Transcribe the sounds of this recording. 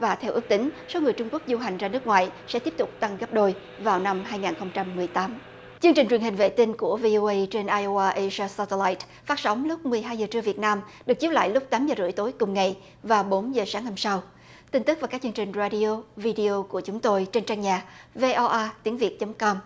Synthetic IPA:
vaː˨˩t̪ʰɛ˧wʔɨ˦˥k̚t̪ï˨˦ŋ̟so˨˦ŋɨ˨˩əjt͡ɕʊ˧ŋ͡mku˦˥k̚zu˧ɦa˨˩jŋ̟zaː˧nɨ˦˥ək̚ŋwa̰ː˧˨jsɛ̰˧˥t̪i˦˥əp̚t̪ʊ˨˩k͡p̚t̪a˧ŋɣə˦˥p̚ɗo˧j | vaː˨˩wna˧mɦaː˧jŋaː˨˩nxə˧wŋ͡mt͡ɕa˧mːɨ˨˩əjt̪aː˨˦m | t͡ɕɨ˧əŋt͡ɕi˨˩ŋwi˨˩ənɦï˨˩ŋ̟vḛ˧˨t̪i˧nku˧˩əvi˧ʔo˧ʔə˧jt͡ɕe˧nʔaː˧jʔo˧ʔaː˧ʔə˧zaː˧sɔ˧t̪e˧laː˧˦jt̚ | faː˦˥t̚sə˨˦wŋ͡mlʊ˦˥k͡p̚mɨ˨˩əjɦaː˧jzəː˨˩t͡ɕɨ˧əvi˨˩ət̚naː˧mɗɨ˨˩k̚t͡ɕi˦˥la̰ː˧˨jlʊ˦˥k͡p̚t̪aː˨˦mzəː˨˩zɨ̰˧˩əjt̪o˨˦jkʊ˨˩ŋ͡mŋa˨˩j | vaː˨˩wɓo˨˦nzəː˨˩saː˨˦ŋha˧msa˧w | t̪i˧ŋ̟t̪ɨ˦˥kva˨˩ka˦˥kt͡ɕɨ˧əŋt͡ɕï˨˩ŋ̟zaː˧ɗi˧o˧vi˧ɗi˧o˧ku˧˩ət͡ɕʊ˨˦ŋ͡mt̪o˧jt͡ɕe˧nt͡ɕaː˧ŋɲaː˨˩ve˧ʔɔ˧ʔaː˧t̪i˨˦əŋvi˨˩ət̚t͡ɕə˨˦ŋ͡mkɔ˧m

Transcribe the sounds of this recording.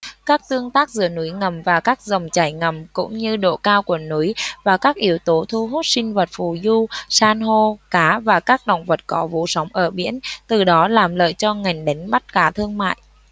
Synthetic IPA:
kaː˦˥k̚t̪ɨ˧əŋt̪aː˦˥k̚zɨ̰˧˨ənu˨˦jŋə˨˩mvaː˨˩kaː˦˥k̚zə˨˩wŋ͡mt͡ɕaː˧˩jŋə˨˩mkʊ̰˧˥ŋ͡mɲɨ˧ɗo̰˧˨kaː˧wku˧˩ənu˨˦jvaː˨˩kaː˦˥k̚ʔi˨˦əwt̪o˨˦t̪ʰu˧ɦu˦˥t̚sï˧ŋ̟və˨˩t̚fu˨˩zu˧saː˧nɦo˧kaː˨˦vaː˨˩kaː˦˥k̚ɗə̰˧˨wŋ͡mvə˨˩t̚kɔ˨˦vṵ˧˨sa˨˦wŋ͡mʔəː˧˩ɓḭ˧˥ənt̪ɨ˨˩ɗɔ˨˦laː˨˩mlə̰ː˧˨jt͡ɕɔ˧ŋa˨˩jŋ̟ɗe˨˦ŋ̟ɓa˦˥t̚kaː˨˦t̪ʰɨ˧əŋma̰ː˧˨jʔ

